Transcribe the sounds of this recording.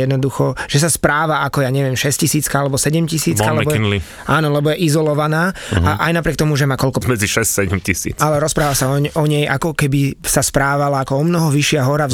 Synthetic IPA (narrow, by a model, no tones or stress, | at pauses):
jɛd̪nɔd̪uxɔʒ̥ɛs̬aspɾaːʋaakɔjaːɲɛʋɪɛmʃɛscisiːt͡skaalɛbɔsɛɟɛmcisiːkalɛbɔɛnli | aːnɔlɛbɔjɛʔizɔlɔʋanaːaʔajnap̬ɾɪɛk̚t̪ɔmuʒɛmaːkɔʎkɔmɛd͡ziʃɛssɛɟɛmcisḭːt͡salɛɾɔspɾaːʋasaɔʔɔɲɛjʔa̰kɔkɛbisaspɾaːʋalaakɔɔmnɔɦɔʋiʃɪaɦɔɾa